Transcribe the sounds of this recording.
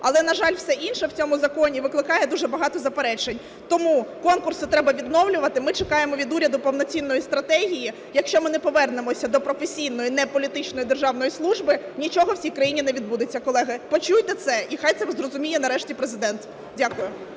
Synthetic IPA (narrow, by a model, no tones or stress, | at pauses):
ɐlˠɛnɐʒɑlʲwsɛʔinʃɛwt͡sʲɔmʊzɐkɔnʲiʋɪklˠɪkɑjɛd̪uʒɛbɐɦɑt̪ɔzɐpeɾɛt͡ʃenʲ | t̪ɔmukɔnkʊrsʊt̪ɾɛbɐʋʲid̪nɔwlʲʊʋɐt̪ɪmɪt͡ʃekɑjemɔʋʲid̪uɾʲɐd̪ʊpɔwnɔt͡sʲinːɔjist̪ɾɐt̪ɛɦʲiji | jɐkʃt͡ʃɔmɪnɛpɔʋɛrnemɔsʲɐd̪ɔpɾɔfesʲijnɔjinɛpɔlʲit̪ɪt͡ʃnɔjid̪erʒɑwnɔjislˠuʒbɪnʲit͡ʃɔɦɔwsʲijkɾɐjinʲinɛʋʲid̪bud̪ʊt͡sʲːɐkɔlˠɛɦɪpɔt͡ʃujt̪ɛt̪sɛʔixɑjt̪sɛzrɔzʊmʲijɛnɐɾɛʃtʲipɾezɪd̪ɛnt̪ | dʲakʊjʊ